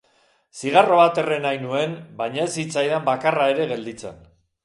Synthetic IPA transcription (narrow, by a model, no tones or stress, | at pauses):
siɣ̞aro̞βat̪e̞renajnue̞nbajɲae̞sit͡sajðambakarae̞ɾe̞ɣe̞ld̪it͡se̞̰n